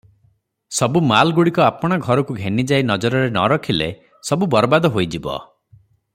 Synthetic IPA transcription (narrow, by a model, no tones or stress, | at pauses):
sɔbumalɡuɽikɔapɔɽ̃ɔɡʱɔɾɔkuɡʱenid͡ʒainɔd͡ʒɔɾɔɾenɔ̰ɾɔkʰilḛ | sɔbubɔɾbad̪ɔɦojd͡ʒibɔ̰